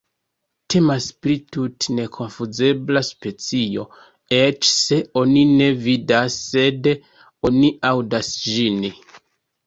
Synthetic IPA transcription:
tʰe̞maspɾitutne̞kʰo̞nfuze̞blaspe̞t͡sio̞̰ | e̞t͡ʃse̞o̞nine̞vidasːe̞d | o̞niawdasʒini

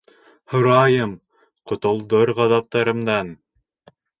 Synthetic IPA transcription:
hŏɾɑjɤm | qŏt̪ŏlˠd̪oɾʁɑðɑp̚t̪ɑɾɤ̆md̪ɑn

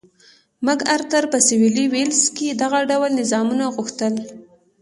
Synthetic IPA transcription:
mʊɡaɾt̪əɾpəsɪwiliwelsked̪aɣaɖawəlnɪzɑmunaɣʊxt̪əl

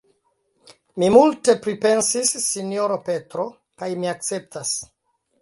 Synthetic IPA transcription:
mimulte̞pɾipe̞nsisːinjoɾope̞tɾo̞ | kajmiak̚t͡se̞p̚tas

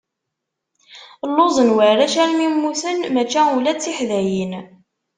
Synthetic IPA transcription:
lːozˤənwəɾæʃælmimːuθənmæt͡ʃːæulæt͡sːiħðæjin

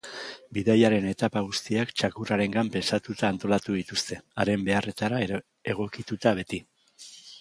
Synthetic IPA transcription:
biðajaɾe̞ne̞t̪apaɣ̞ust̪iakt͡ʃakuraɾe̞ŋɡampe̞nsat̪ut̪aːnt̪o̞lat̪uð̞it̪ust̪e̞aɾe̞mbe̞are̞t̪aɾa | e̞ɣ̞o̞kit̪ut̪aβ̞e̞t̪i

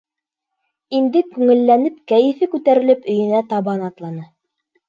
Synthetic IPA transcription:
ind̪ɘkʉŋɘ̆lːænɘp̚kæjɘ̆fɘkʉt̪æɾɘ̆lɘpɵ̆jɘ̆næt̪ɑβɑnɑt̪lˠɑnɤ

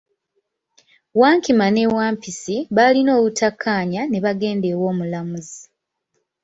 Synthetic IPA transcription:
waːŋkimane̞waːmpisiβalino̞ːβutʰakʰːaːɲane̞βaɡe̞ːnde̞ːwo̞ːmulamuzi

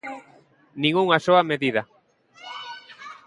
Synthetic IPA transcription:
nĩŋɡuŋasoameðiða

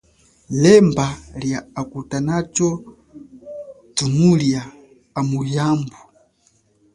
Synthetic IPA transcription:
lɛmbaljaakutanat͡ʃɔ | tumulja | amujaːmbu

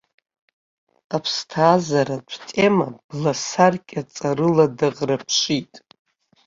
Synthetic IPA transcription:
apʰstʰaːzaɾaʈ͡ʂʷʰtʰʼe̞mab̥lasarkʲʼat͡sʼaɾɨladaʁrapʰʂitʼ

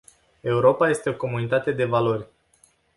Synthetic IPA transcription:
e̞uɾo̞paje̞st̪e̞o̞ko̞munit̪at̪e̞d̪e̞valo̞rʲ

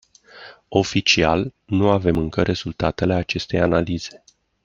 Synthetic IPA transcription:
o̞fit͡ʃialnuave̞mɨŋkəɾʔe̞z̥ult̪at̪e̞le̞at͡ʃe̞st̪e̞janaliz̥e̞

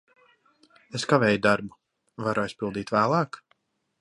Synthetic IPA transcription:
eskavɛːjud̪aɾbu | vaɾɔjspilˠd̪iːt̪væːlˠɑːk

